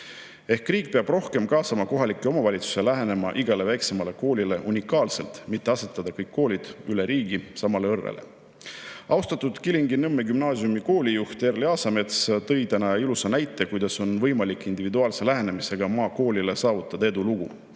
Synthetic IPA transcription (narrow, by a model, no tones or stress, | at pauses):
e̞hkriːk̚ˑpeɑb̥ro̞hke̞mkɑːsɑmɑko̞ɦɑlikːˑio̞mɑvɑlʲit̪su̥se̞læɦe̞ne̞mɑ̰ʔiɡɑle̞væjkse̞mɑle̞ko̞ːlʲile̞ʔunʲikːˑɑːlse̞lt̪mit̪ːˑe̞ɑse̞t̪ːˑɑd̪̥ɑkɤjkːo̞ːlʲid̪̥yle̞ɾiːɡisɑmɑle̞ɤrvḛlḛ | ɑwst̪ɑt̪ːˑud̪̥kiliŋɡinɤmːeɡymnɑːsjumiko̞ːlʲijuht̪erlɑːsɑme̞t̪st̪ɤ̞jt̪ænɑilusɑnæjt̪ːˑe̞kujd̪̥ɑso̞nvɤjmɑlikːˑind̪̥ivid̪uɑːlse̞læɦe̞ne̞mise̞ɡ̥ɑmɑːko̞ːlʲile̞sɑːvut̪ːˑɑd̪̥ɑe̞d̪uluɡ̥u